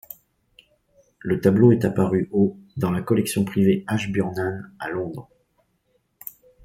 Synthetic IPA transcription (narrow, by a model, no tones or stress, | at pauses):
lət̪abloɛt̪apaʁyʔod̪ɑ̃lakɔlɛksjɔ̃pχiveaʃbjœʁnanalɔ̃d̪ʁ